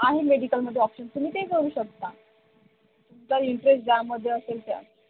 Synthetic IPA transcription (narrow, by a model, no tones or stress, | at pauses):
aɦimeɽikəlm̤əd̪ʱjeɔpɕənt̪umiːt̪ekəɾuːɕək̚t̪a | t̪əɾiɳʈɾesʈ̚d͡ʑaməd̪ʱːjeəselt̪ja̰